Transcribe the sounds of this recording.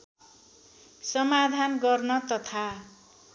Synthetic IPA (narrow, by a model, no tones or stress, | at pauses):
sʌmad̪ʱanɡʌrnʌt̪ʌt̪ʰa